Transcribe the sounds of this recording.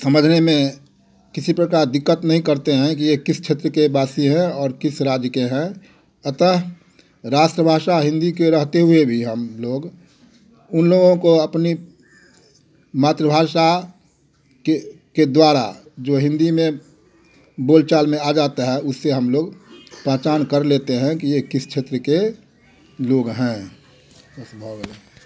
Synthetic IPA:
səməd͡ʒʱnemẽ | kɪsipɾəkaːɾd̪ɪkːət̪nəɦĩkəɾt̪eɦɛ̃kijekɪst͡ʃʰeːt̪ɾəkebaːsiɦɛ̃ɔːɾkɪsɾaːd͡ʒjəkeɦɛ̃ | ət̪əɦ | ɾaːʃʈɾəbʱaːʃaɦɪ̃nd̪ikeɾəɦt̪eɦʊebʱiɦəmloːɡ | ʊnloːɡõkoəpni | maːt̪ɾəbʱaːʃa | ke | ked̪waːɾa̰d͡ʒoːɦɪ̃nd̪imẽ | boːlt͡ʃaːlmẽad͡ʒaːt̪aɦɛʔʊsːeɦəmloːɡpə̃ɦt͡ʃaːnkəɾleːt̪eɦɛ̃kijekɪst͡ʃʰeːt̪ɾəke | loːɡɦɛ̃ | əsbʱɔɡl

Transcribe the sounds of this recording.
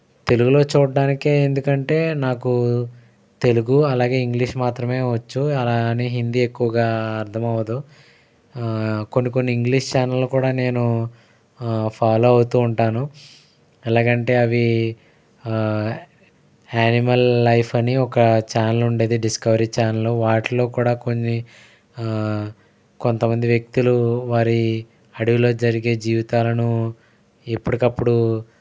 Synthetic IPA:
t̪e̞luɡulo̞ːt͡ʃuːɽɐɖaːnikeːend̪ukɐɳʈe̞ːnaːku | t̪e̞luɡuɐlaːɡe̞ːiŋɡliʂmaːt̪ɾɐme̞ːʋɐt͡ʃːuɐlaːneːɦind̪ie̞kːuʋɐɡaːɐɾt̪ʰɐmɐʋɐd̪o | ko̞nːiko̞nːiiŋɡliʂt͡ʃaːnɐlːkuːɽaːne̞ːnu | pʰaːlo̞ːɐwut̪uːɳʈaːnu | ɛlaːkɐɳʈe̞ːɐʋi | aːnimɐlːɐjpʰɐniɔkɐt͡ʃaːnɐluɳɖe̞ːd̪iɖiskɐʋɐɾit͡ʃaːnɐlːoːʋaːʈilo̞ːkuːɽaːko̞nːi | ko̞nt̪ɐmɐnd̪iʋjek̚t̪uluʋaːɾi | ɐɽiʋilo̞ːd͡ʒɐɾiɡe̞ːd͡ʒiːʋit̪aːlɐnu | epːuɽikɐpːuɽu

